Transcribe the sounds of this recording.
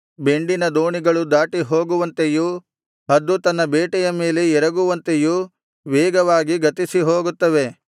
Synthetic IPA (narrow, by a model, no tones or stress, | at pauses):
be̞ɳɖinɐd̪oːɳiɡɐɭud̪aːʈiɦoːɡuʋɐnt̪eju | ɦɐd̪ːut̪ɐnːɐbeːʈɛjɐme̞ːle̞ɛɾɐɡuʋɐnt̪eju | ʋɛːɡɐʋaːɡiɡɐt̪isiɦo̞ːɡut̪ːɐʋe̞